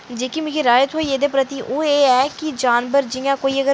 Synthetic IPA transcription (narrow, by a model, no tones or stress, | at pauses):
d͡ʒeːkimɪ̃kiɾaːjət̪ɦoːiːeːd̪eːpɾət̪iːʔoːeːɛːkɪd͡ʒaːnbəɾd͡ʒɪjãːkoːiːəɡəɾ